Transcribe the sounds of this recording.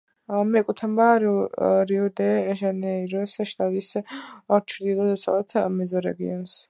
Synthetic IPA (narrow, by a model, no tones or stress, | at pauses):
mɛkʼut̪ʰambaɾɾiɔd̪ɛːʒanɛiɾɔsʃt̪ʼad̪isaɾt͡ʃʰɾd̪ilˠɔd̪ɛsa̰lat̪ʰmɛzɔɾɛ̰ɡḭɔns